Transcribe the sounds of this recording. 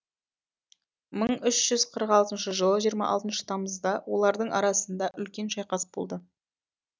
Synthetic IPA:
məɴʏʃʒ̥ʏz̥qʰəɾəqɑlˠt̪ənʃəʒəlˠəʒijəɾmɑ̰ʔɑ̰lˠt̪ənʃə̥t̪ʰɑməzd̪ɑwo̞lˠɑɾd̪əɴɑ̰ɾɑsənd̪ɑʔʏlkʲe̞nʃɑjqɑsə̥p̚bo̞̰lˠd̪ə

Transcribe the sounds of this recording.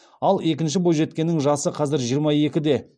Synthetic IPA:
ɑlˠe̞kʲɪnʃ̬ɪbojʒe̞t̪kʲe̞nːɪŋʒɑsəqʰɑzɪɾʒijəɾmɑje̞kʲɪd̪e̞

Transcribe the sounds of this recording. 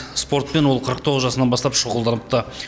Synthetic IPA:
spo̞ɾt̪̚pe̞nwo̞lˠqʰəɾəq̚t̪ʰo̞ʁəzʒɑsənɑnbɑst̪ɑpʃoʁəlˠd̪ɑnəp̚t̪ə

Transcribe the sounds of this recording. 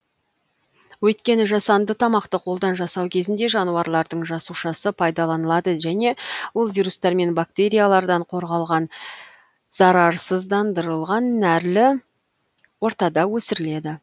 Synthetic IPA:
wɵjt̪kʲe̞nɪʒɑsɑnd̪ət̪ʰɑmɑqt̪əqʰo̞lˠd̪ɑnʒɑsɑwkʲʰe̞zɪnd̪e̞ʒɑnuwɑɾlˠɑɾd̪əɴʒɑsuʃɑsəpʰɑjd̪ɑlˠɑnəlˠɑd̪əʒæne̞wo̞lˠvijɾust̪ɑɾme̞nbak̚t̪e̞ɾʲijalˠɑɾd̪ɑɴqʰo̞ɾʁɑlˠʁɑn | z̥ɑɾɑɾsəzd̪ɑnd̪əɾəlˠʁɑnːæɾlɪ | wo̞ɾt̪ɑd̪ɑwɵsɪɾɪle̞d̪ɪ

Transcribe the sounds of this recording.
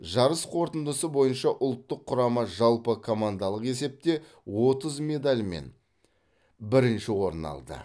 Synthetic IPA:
ʒɑɾəsqʰo̞ɾt̪ənd̪əsəbo̞jənʃɑʔʊlˠt̪ːəqʰːʊɾɑməʒɑlˠpəkʰo̞mand̪ɑlˠəqe̞s̬e̞p̚t̪e̞ | wo̞t̪əzme̞d̪alʲme̞̰n | bɪɾɪnʃɪwo̞ɾnɑ̰lˠd̪ə̰

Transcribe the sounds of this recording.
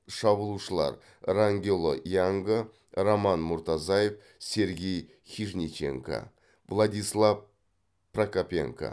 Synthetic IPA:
ʃɑbəlˠuʃəlˠɑ̰ɾ | raŋɡʲelˠo̰jɑŋɡə | ɾomɑnmʊɾt̪ɑzɑjef | se̞ɾɡʲe̞j | xʲiʒnʲit͡ʃḛŋka̰ | vlˠad̪ʲijslˠɑv | prakapʲḛŋka̰

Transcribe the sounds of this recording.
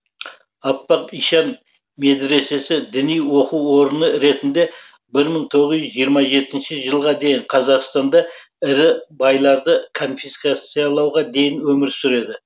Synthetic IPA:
ɑpːɑqiʃɑn | me̞d̪ɾe̞se̞sɪd̪ɪnijwo̞quwːo̞ɾənəɾe̞t̪ɪnd̪e̞ | bɪɾməɴt̪ʰo̞ʁəzʏzʒijəɾmɑʒe̞t̪ɪnʃɪʒəlˠʁɑd̪e̞jɪɴqʰɑzɑqst̪ɑnd̪ɑ | ɪɾɪbɑjlˠɑɾd̪əkʰo̞nfiskat̪sijɑlˠɑwʁɑd̪e̞jɪnwɵmɪɾsʏɾe̞d̪ɪ

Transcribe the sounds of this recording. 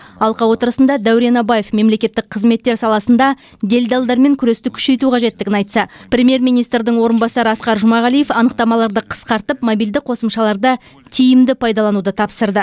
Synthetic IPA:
ɑlˠqɑwo̞t̪əɾəsənd̪ɑd̪æwɾenɑbaje̞fme̞mle̞kʲe̞t̪ːɪk̚qʰəzme̞t̪ːe̞ɾsɑlˠɑsənd̪ɑ | d̪e̞lʲd̪ɑlˠd̪ɑɾme̞ŋkʲʰʏɾe̞st̪ɪkʲʰʏ̥ʃe̞jt̪uqʰɑʒe̞t̪ːɪɡʲɪnɑjt̪sɑpɾʲe̞mʲje̞ɾmʲijnijst̪ɾd̪ɪɴwo̞ɾənbɑsɑɾəɑsqɑɾʒʊmɑʁælijefɑnəq̚t̪ɑmɑlˠɑɾd̪əqʰə̥sqɑɾt̪əpmobild̪ɪqʰo̞səmʃɑlˠɑɾd̪ə | t̪ʰijɪmd̪ɪpʰɑjd̪ɑlˠɑnud̪ət̪ʰɑpsəɾd̪ə

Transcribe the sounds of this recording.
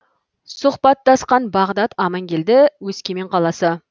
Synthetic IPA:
sʊχpɑt̪ːɑsqɑnbɑʁd̪ɑt̪ɑmɑŋkʲʰe̞ld̪ɪwɵskʲeme̞ɴqʰɑlˠɑsə

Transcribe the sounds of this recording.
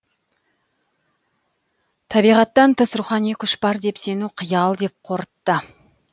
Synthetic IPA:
t̪ʰɑbijʁɑt̪ːɑnt̪ʰəsɾuχɑnijkʲʰʏʃbɑɾd̪e̞pse̞nuqʰəjɑlˠd̪e̞p̚qʰo̞ɾət̪ːə

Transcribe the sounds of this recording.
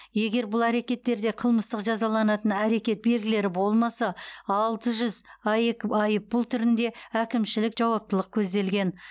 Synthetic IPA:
je̞ɡʲe̞ɾbʊlˠæɾe̞kʲe̞t̪ːe̞ɾd̪e̞qʰəlˠməst̪əqʒɑzɑlˠɑnɑt̪ənæɾe̞kʲe̞t̪̚be̞lɡʲɪle̞ɾɪbo̞lˠmɑsɑɑlˠt̪əʒʏzɑjekɑjəp̚bʊlˠt̪ʰʏɾɪnd̪e̞ækʲɪmʃɪlɪkʒ̥ɑwɑp̚t̪əlˠəq̚kʲʰɵzd̪e̞lɡʲe̞n

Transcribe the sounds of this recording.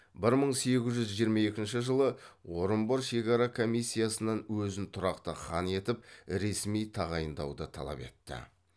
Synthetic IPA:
bɪɾməɴse̞ɡʲɪzʒʏzʒijəɾmɑje̞kʲɪnʃɪʒəlˠəwo̞ɾəmboɾʃe̞kɑɾɑkʰo̞mijsʲːijasənɑnwɵzɪnt̪ʰʊɾɑqt̪əχɑne̞t̪ɪp̚ɾe̞smijt̪ʰɑʁɑjənd̪ɑ̰wd̪ət̪ʰɑ̰lˠɑ̰pe̞̰t̪ːɪ̰

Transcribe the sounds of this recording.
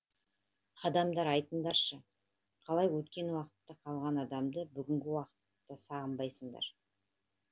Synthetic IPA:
ɑd̪ɑmd̪ɑɾɑjt̪ənd̪ɑɾʃə | qʰɑlˠɑjwɵt̪kʲe̞nwɑqə̥t̪ːɑqʰɑlˠʁɑnɑd̪ɑmd̪əbʏɡʲɪŋɡʲɪwɑqə̥t̪ːɑsɑʁəmbɑjsəɴd̪ɑ̰ɾ

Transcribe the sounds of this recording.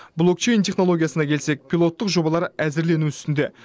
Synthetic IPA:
blˠo̞kt͡ʃe̞jnt̪ʰe̞χno̞lˠo̞ɡʲijasənɑkʲʰe̞lse̞k̚pʰʲilˠo̞t̪ːəqʒo̞bɑlˠɑɾəæzɪɾle̞nuʏɪst̪ɪnd̪e̞

